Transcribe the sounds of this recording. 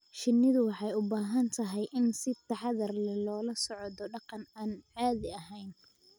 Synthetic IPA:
ʃɪnːɪðʊwɑħɑjʊbaːɦɐnt̪ʰɐɦɛjʔɪnsɪt̪ːɐħɑðɐrlɛlɔːlɐsɔʕɔðɔɖɑqɑnaːnʕaːðɪɐɦɛjn

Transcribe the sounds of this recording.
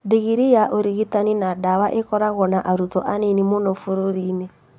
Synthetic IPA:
deɣiɾijaʔoɾiɣitaninadawaʔekɔɾaɣɔnaʔaɾutɔʔaninimonɔfuɾoɾinɛ

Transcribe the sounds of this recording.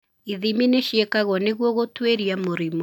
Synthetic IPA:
iðimineʃjekaɣwɔneɣwɔɣotweɾiamoɾimo

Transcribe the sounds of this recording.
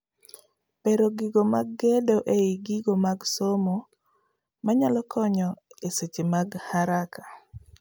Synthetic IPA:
peɾoɡiɡomaɡːedoʔeiɡiɡomaɡsomo | maɲalɔkʰɔɲɔeset͡ʃemaɡhaɾakḁ

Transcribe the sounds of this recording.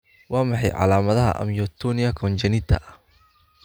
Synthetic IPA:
wɑːmɑħɑjʕɑ̰laːmɐðɐɦɐ̰ʔɐ̰mjɔt̪ʰːɔnijɐkʰɔnt͡ʃɐnɪt̪ʰːɐ̰ʔɐh

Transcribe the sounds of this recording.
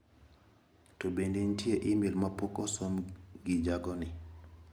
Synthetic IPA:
tobendentjeʔɪmilmapokɔsomɡɪd͡ʒaɡɔnɪ

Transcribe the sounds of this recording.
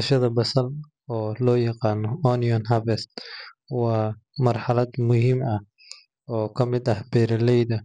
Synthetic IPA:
ɐʃɐðɐbɐsɐl | ɔːlɔːjɑqɑːnɔɔniɔnɦɐbɛst̪ | wɑːmɐrħɑlɐd̪mʊhiːmʔɐ | ɔːkʰɐmɪd̪ɐhbɛːɾɐlɛjðɐ

